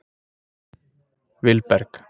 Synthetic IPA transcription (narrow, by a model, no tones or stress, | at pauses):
ʋɪlpɛɾk